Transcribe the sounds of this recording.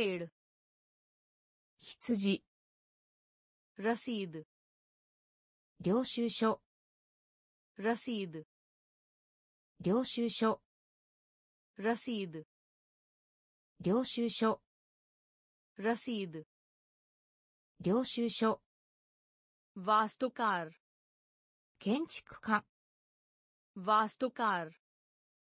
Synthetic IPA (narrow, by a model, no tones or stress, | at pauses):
eɾɯ̟ | çi̥t͡sɨʑi | ɾasiːd̪ɯ | ɾʲo̞ːɕɨːɕo | ɾasiːd̪ɯ | ɾʲo̞ːɕɨːɕo | ɾasiːd̪ɯ | ɾʲo̞ːɕɨːɕo | ɾɐsiːd̪ | ɾʲo̞ːɕɨːɕo | βaːst̪okaːɾ | kẽɲt͡ɕi̥kɯ̟̥kãŋ | βaːst̪okaːɾ